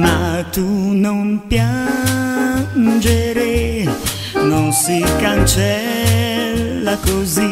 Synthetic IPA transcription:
mat̪unompja | nd͡ʒeɾe | nonsikant͡ʃɛ | lːakozi

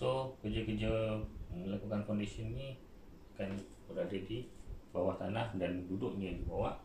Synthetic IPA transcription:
sokərd͡ʒəkərd͡ʒəməlakukankɔndisiənni | akan | bəɾadədibawaht̪anahdandudʊʔ̚ɲədibawaʔ

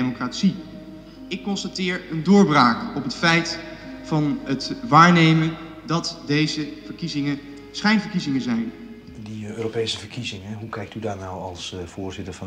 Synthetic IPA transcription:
mokratsi | ɪkːɔnstatɪːɹəndʊːɹbraːkɔpɦətfɛjtfɑnətʋaːɹnejmən | dɑtdejzəv̥əɹkizɪŋə | sχɛjnvəɹkizɪŋənzɛjn | diøːropejsəvəɹkizɪŋəɦukɛjk̚tydaːɹnawɑlˠsv̥ʊːɹzɪtəɹvɑ

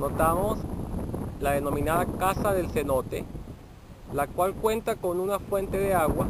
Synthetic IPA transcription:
not̪amos | laðeno̞mĩnaðakasaðe̞lsenot̪e | lakwalkwe̞nt̪akonunafwe̞nt̪e̞ðeaɣwa

